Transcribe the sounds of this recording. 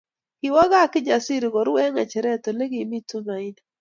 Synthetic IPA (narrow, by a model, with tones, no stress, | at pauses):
ki˨wa˦ɡa˦˨kɪ˦d͡ʒa˨si˦ɾɪ˨ɡɔ˨ɾwɛ˦ŋa˨t͡ʃɛ˨ɾɛ˦˨to˨le˦ɡi˨mi˦tu˦na˨i˦d